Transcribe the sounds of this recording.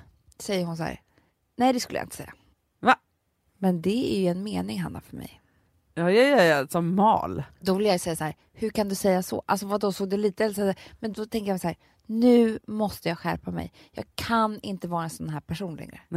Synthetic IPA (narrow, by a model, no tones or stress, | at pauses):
sɛjːəɾɦʊnsæ̰ɾ | nɛɪd̪ɛskɵlːj̰ɪ̰nt̪ə̥sɛ̰jːa̰ | va | mɛnd̪ɛæjɵɛnmeːnɪŋɦa̰nːa̰fœɾmɛ̰j | jɑːjajaasɔmːɑ̰ːld̪ɔvɪlːjajsɛjːasahæːɾ | hɵkand̪ɵsɛjːasɔ̰ʔa̰ls̬ɔvad̪ɔsoːɡ̚d̪ɛliːt̪əɛlːs̬amɛnd̪ɔt̪ʰɛŋkəjasahæːɾ | nʉ̟ːmɔst̪əjɑːɡɧæ̰ɾpamɛ̰j | jɑ̰ːɡkʰanɪnt̪əvɑːɾaɛnsɔnɦæːɾpʰæʂuːnlɛ̰ŋɾə̰